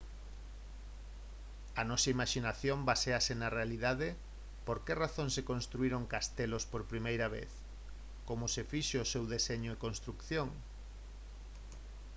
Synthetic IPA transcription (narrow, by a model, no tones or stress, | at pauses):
ɐnɔsɐimaʃinaθjõmbaseasenarealiðaðɪ | poɾkeraθoŋsekõnst̪ɾuiɾoŋkast̪elospoɾpɾimejɾɐβḛθ | komʊsefiʃeosewðeseɲoekonst̪ɾukθjoŋ